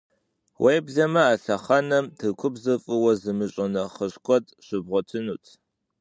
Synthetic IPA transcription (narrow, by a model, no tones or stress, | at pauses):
wʔejbzɐmɐaːɬɐχɐnɐmtʰɨkʷʰʊbzɨfʼɨwɐzɨmɨɕʼɪnɐχəɕkʷʰʼɔtʼɕɪbʁʷɔtʰɨnuːtʰ